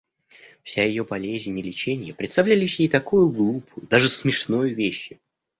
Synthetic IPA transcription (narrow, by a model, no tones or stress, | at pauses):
fsʲajɪjo̞bɐlʲezʲnʲɪlʲɪt͡ɕenʲɪjəpɾʲɪt̪st̪ɐvlʲælʲɪsʲjejt̪ɐkujʊɡlˠupʰʊjʊd̪aʐɨsmʲɪʂnojʊvʲeɕːɪ